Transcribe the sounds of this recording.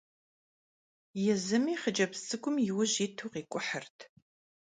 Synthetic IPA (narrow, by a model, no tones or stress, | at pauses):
jɛzɨmiːχəd͡ʒʼɐpsʼɨkʷʼʊmjɪwʊʑiːtʰuːqiːkʷʼʊħərtʰ